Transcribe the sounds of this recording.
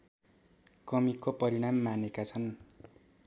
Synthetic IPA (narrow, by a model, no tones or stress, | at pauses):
kʌmikopʌɾiɽ̃amːanekat͡sʰʌn